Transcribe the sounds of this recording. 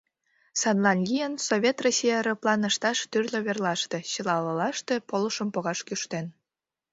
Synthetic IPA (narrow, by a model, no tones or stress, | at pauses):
sɑnlˠɑnlʲijənsoβʲet̪rosʲijɑɾɤplˠɑnə̆ʃt̪ɑʃt̪yrlʲøβerlˠɑʃt̪e̽t͡ɕəlɑlɤlɑʃt̪e̽poləʃəmpoɣɑʃkyʃt̪en